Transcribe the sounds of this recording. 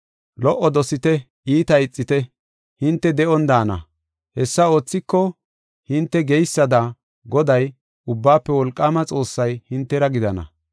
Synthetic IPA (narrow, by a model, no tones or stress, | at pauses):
lɔʔːɔd̪ɔsɪt̪ɛ | ʔiːt̪ɐjɪt͡sʼːɪt̪ɛ | hɪnt̪ːɛd̪ɛʔɔnd̪aːnɐ̰ | hɛsːɐo̞ːt͡sːɪkːɔ | hɪnt̪ːɛɡɛjsːɐd̪ɐ | ɡɔd̪ɐj | ʊbːaːpːɛwɔlkʼːaːmɐt͡sʼo̞ːsːɐjhɪnt̪ːɛɾɐɡɪd̪ɐnɐ̰